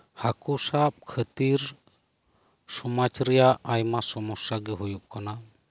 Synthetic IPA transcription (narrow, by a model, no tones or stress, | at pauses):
hakusap̚kʰət̪iɾ | sɔmat͡ʃɾɛjaʔajmasɔmɔsaɡɛɦujuʔ̚kana